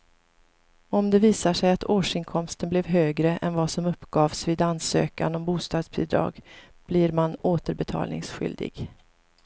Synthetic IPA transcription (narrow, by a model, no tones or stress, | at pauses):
ɔmd̪ɛviːsaʂɛjat̪ʰoːʂɪŋkʰɔmst̪ənblɛvɦøːɡɾəʔɛnvɑsɔmɵpːɡ̥ɑːvsviːd̪ansø̰ːka̰nɔmbuːst̪ɑːd̪sbʰḭːd̪ɾɑ̰ːɡ | b̥liɾmanoːt̪əɾbɛt̪ʰɑ̰ːlnɪ̰ŋsɧʏ̰ld̪ɪ̰ɡ